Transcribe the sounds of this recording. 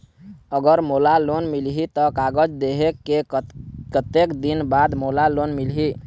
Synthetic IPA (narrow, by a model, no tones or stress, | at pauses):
əɡəɾmolalonmilɦit̪ɔkaɡəd͡ʒd̪eɦekekət̪ekd̪inbad̪molalonmilɦi